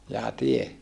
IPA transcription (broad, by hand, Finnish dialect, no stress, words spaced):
jɑː tie